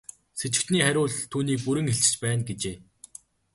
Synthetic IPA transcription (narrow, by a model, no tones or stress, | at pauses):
set͡ɕɪ̆kt̪niːχæɾʲʊːɮt̪ʰuːniːk̚puɾɘ̆ŋxeɬt͡ɕɪ̥̆t͡ɕpæːnɡet͡ɕeː